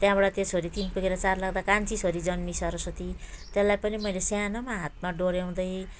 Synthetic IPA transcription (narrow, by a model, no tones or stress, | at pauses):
t̪jãbʌɽat̪esʰoɾit̪inpuɡeɾʌt͡sarlaɡd̪akant͡sisʰoɾid͡zʌnmisʌɾʌsʌt̪it̪elːajpʌnimʌjlesjanʌmaɦat̪̚maɖoɽjaw̃d̪ʌj